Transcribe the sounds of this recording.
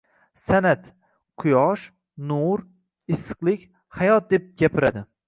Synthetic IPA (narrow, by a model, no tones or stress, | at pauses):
sanat̪ | qʰʊjɒʃ | nuɾ | ɪsːɨ̥qlˠɪkʲ | hajɒt̪̚d̪e̞p̚ɡʲapʰɪɾad̪ɪ